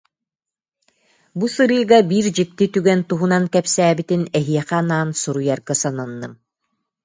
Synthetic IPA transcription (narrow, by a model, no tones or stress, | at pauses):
busɯɾɯːɡabiːɾd͡ʑik̚t̪it̪yɡɛnt̪uɦunankɛpsæːbit̪inɛɦiɛχɛːnaːnsuɾujaɾɡasananːɯm